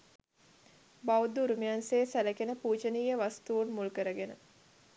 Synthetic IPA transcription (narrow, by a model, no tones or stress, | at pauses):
bawd̪uɾumijanseːsæləkenəpuːd͡ʒəniːjəʋast̪uʋunmulkəɾəɡenə